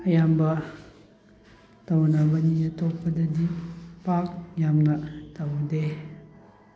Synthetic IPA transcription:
ɐjambɐ | tawnabɐnijɐtɔpːɐdɐdipak̚jamnɐtawde

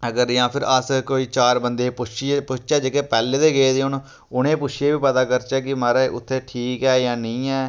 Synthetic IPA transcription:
əɡəɾjãːpʰɪɾəskoːiːt͡ʃaːɾbənd̪eːpʊpʊt͡ʃʰt͡ʃɛːd͡ʒeːkeːpɛːleːd̪eːɡeeːd̪eːʊn | ʊnẽːpʊt͡ʃʰːeːbiːpət̪aːkəɾt͡ʃɛːkɪmaɾaʔʊ̰t̪ʰːeːʈʰiːkɛːjãːnə̃ːɛː

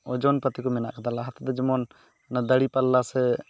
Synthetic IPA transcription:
ɔd͡ʒɔnpət̪ikɔmɛna̰ʔkat̪alaɦat̪ad̪ɛd͡ʒɔmɔn | nad̪əɽipalːasɛ

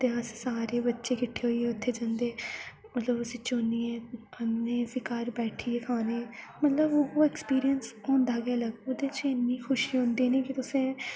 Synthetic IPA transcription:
t̪eːəssaːɾeːbətːʃeːkɪʈʰːeːɦoːiːɛːʊt̪ʰːeːd͡ʒãːnd̪eː | mət̪ləbəsĩːt͡ʃoːniːɛːəmneːbɪkaːɾbɛːʈʰiːeːkʰaːneː | mət̪ləbooːeːkspiːɾijənsɦõːnd̪aːɡɪaləɡod̪eːt͡ʃɪnːiːxʰʊʃiːɦõːnd̪iːnĩːkɪt̪ʊsẽː

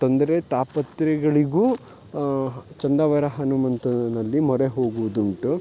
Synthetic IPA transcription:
t̪ond̪ɐɾet̪aːpɐt̪ɾɛɡɐɭiɡuː | t͡ʃɐnd̪aːʋɐɾɐɦɐnumɐnt̪ɐnɐlːimɔɾeɦo̞ːɡuʋud̪uɳʈu

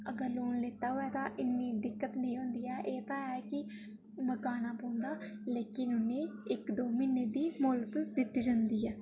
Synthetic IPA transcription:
əɡəɾloːnleːt̪aːɦoːɛːt̪ãːʔɪnːiːd̪ɪkːət̪nəĩːɦõːnd̪iːɛːʔeːt̪ãːɛːkɪ | məkaːnaːpõːnd̪aːleːkɪnʊnẽːɪkd̪oːmiːneːd̪iːmʊlkd̪ɪt̪ːiːd͡ʒaːnd̪iːɛː

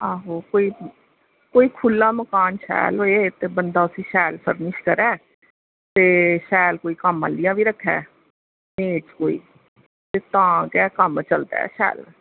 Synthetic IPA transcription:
aːɦoːkoːiː | koːiːkʰʊlːãːməkaːnʃɛ̰ːlɦoːeːt̪eːbənd̪aːʊsĩːʃɛːlpʰəɾnɪʃkəɾɛː | t̪eːʃɛːlkoːiːkəmãːlːɪjãːbiːɾəkʰːɛ̰ː | meːʈkoːḭː | t̪eːt̪ãːkɛːkəmt͡ʃəld̪a̰ːʃɛ̰ːl

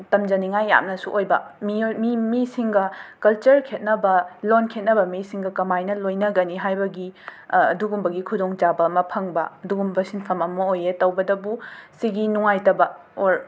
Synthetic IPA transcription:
tɐmd͡ʒɐniŋajːa̰mnɐsuʔojbɐ̰mimimisiŋɡɐkɐlt͡ʃɐɾkʰet̚nɐbɐlonkʰet̚nɐbɐmisiŋɡɐkɐmajnɐlojnɐɡɐniɦajbɐɡiɐduɡumbɐɡikʰudoŋd͡ʒabɐmɐpʰɐŋbɐɐduɡumbɐsinpʰɐmɐmɐojetɐwbɐdɐbusiɡinuŋajtɐbɐoɾ

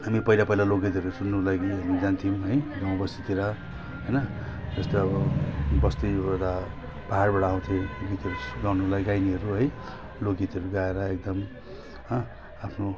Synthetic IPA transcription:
ɦamipʌilapʌɦilaloɡit̪ʌɾusunːulaɡiɦʌmid͡zant̪ʰimɦʌjɡamʌbʌst̪ʰit̪eɾʌ | ɦʌjnʌd͡zʌst̪oʌbʌbʌst̪iʌd̪a | b̥aɦaɽbaʈʌaw̃t̪ʰẽɡit̪ʌɾuɡawnulajɡajniɦʌɾuɦʌj | loɡit̪ʌɾuɡaeɾʌek̚d̪ʌm | apʰno

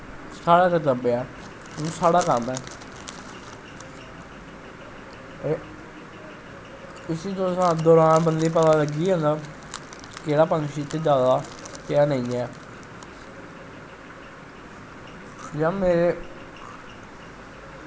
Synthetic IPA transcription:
saːɽaːkət̪əbɛː | ũsaːɽaːkəmɛː | e | ɪsiːd̪oːsãːd̪ɔːɾaːnbənd̪iːp̬ət̪aːləɡiːɦə̃ːnd̪aː | keːɽaːpə̃ŋɡʃiːt̪eːd͡ʒjaːd̪aː | kɪaːnəĩːɛː | jãːmeːɾeː

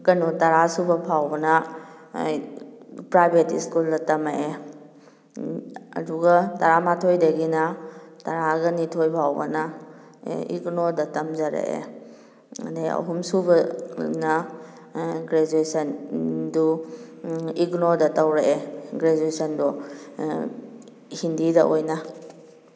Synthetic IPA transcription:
kɐnutɐɾasubɐpʰawbɐnɐ | pɾajbʱetiskuldɐtɐmaʔe | ɐ̰duɡatɐɾamatʰojdɐɡinɐtɐɾaɡɐnitʰojpʰawbɐ̰nɐ | ḭɡnoɾdɐtɐmzaɾḛʔḛ | a̰deɐ̰ɦumsubɐnɐ | ɡɾed͡ʒuesɐndu | iɡnoɾdɐtawɾeʔeɡɾed͡ʒuesɐndɔ | hindidaʔojnɐ

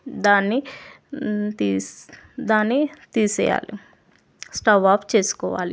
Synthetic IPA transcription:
d̪aːnːi | t̪i | d̪aːnːit̪iːsɛ̰ːja̰ːli | sʈaːbaːpt͡ʃe̞ːsu̥kɔːʋa̰ːli

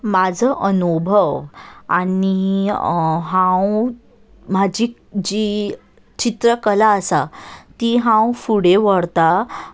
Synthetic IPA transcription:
mad͡zʱəʔənubʱəʋa̰ni | ɦãw | mad͡ʑi | d͡ʑi | t͡ɕit̪ɾəkəlaəsat̪iɦãwfuɽeʋəɽt̪a

